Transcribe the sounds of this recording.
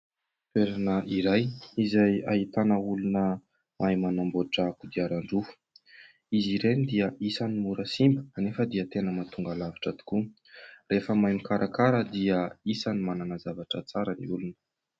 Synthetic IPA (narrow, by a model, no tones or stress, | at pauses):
t̪weɾanəʔiɾajizajaɦit̪anəulunə | mʔajmanamboʈ͡ʂakud̪iaɾaɳɖ͡ʐufu̥ | iziɾenid̪iəʔisanimuɾəsimbəanefəd̪iət̪enəmat̪uŋɡalavi̥ʈ͡ʂad̪i̥ku | refəmajmikaɾʔakaɾəd̪iəisanimananazavaʈ͡ʂət͡saɾəniulunə̥